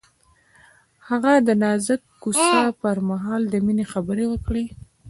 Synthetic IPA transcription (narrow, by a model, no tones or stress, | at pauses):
haɣad̪ənɑzəkːusɑpəɾmaɦɑld̪əminexabəɾewəkɽe